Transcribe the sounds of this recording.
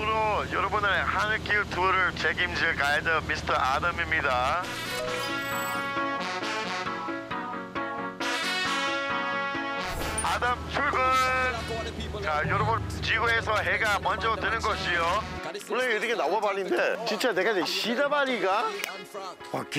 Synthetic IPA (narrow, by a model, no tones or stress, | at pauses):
ɾojʌɾʌbunɯnehanɯkʰitʰuɾɯɭt͡ɕeɡimd͡ʑiɭkajadʌmisʰɯ̥tʰʌʔadamimɲida | adamt͡ɕʰuɭɡɯn | t͡ɕajʌɾʌbɯn | t͡ɕiɡuesʰʌɦeɡamʌnd͡ʑʌtwenɯnɡʌɕʰijowʌɭːeiɾɯkʰenawʌbaɾinde̞t͡ɕint͡ɕ͈ane̞ɡad͡ʑiɕidabaɾiɡa | ak